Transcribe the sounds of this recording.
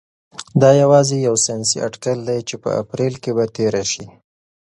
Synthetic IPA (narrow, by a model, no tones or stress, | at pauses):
d̪ɑjawɑzejawsijɑnsiʔaɖkald̪ajt͡ʃepə̰a̰pɾelkebat̪eɾaʃi